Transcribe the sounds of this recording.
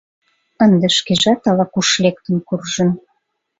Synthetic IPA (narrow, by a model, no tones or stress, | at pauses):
ənd̪eʃkeʒɑt̪ɑlɑkuʃlek̚t̪ənkurʒən